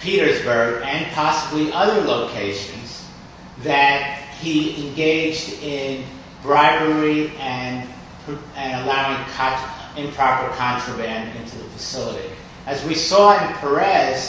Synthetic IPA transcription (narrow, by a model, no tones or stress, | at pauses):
pʰiɾə˞zbə˞ɡɨ̃npʰɑsəbliʔʌðə˞loʊkʰeɪʃɨ̃nz̥ | ðɨt̚hiɪ̃nɡeɪd͡ʒdɪ̃n | bɹaɪvə˞iɨ̃nʰ | ɨ̃nəlaʊɪ̃ŋkʰɨ̃mpʰɹ̥ɑpə˞kʰɑ̃nt͡ʃɹ̥ɨbæ̃ndɪ̃ntʰʉðəfɨsɪlˠəɾḭ | ɨzwisɔɨ̃npʰə˞ɛz̥